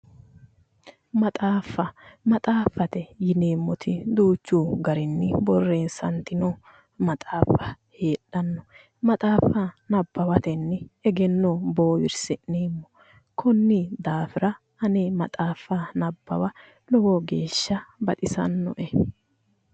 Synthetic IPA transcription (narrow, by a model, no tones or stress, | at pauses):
mɐt̪ʼaːfːɐmɐt̪ʼaːfːɐt̪ɛjɪneːmːɔt̪ʰɪd̪uːt͡ʃːuːɡɐɾɪnːɪbɔrːe̞ːnsɐnt̪ɪnɔ | mɐt̪ʼaːfɐ | he̞ːɗɐnːɔ | mɐt̪ʼaːfɐnɐbːɐwɐt̪ɛnːɪɛɡɛnːɔbo̞ːwɪɾsɪneːmːɔ | kʰɔnːɪd̪aːfɪɾɐ | hɐneːmɐt̪ʼaːfːɐnɐbːɐ̰wɐ | lɔwɔɡe̞ːʃːɐbɐt̪ʼɪsɐ̰nːɔ̰ʔɛ